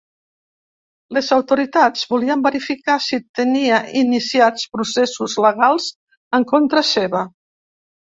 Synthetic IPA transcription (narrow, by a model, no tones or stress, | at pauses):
lezawt̪uɾit̪ad͡zβuliəmbəɾifikasit̪əniəinisiat͡spɾusesuzləɣ̞alˠz | əŋkont̪ɾəseβə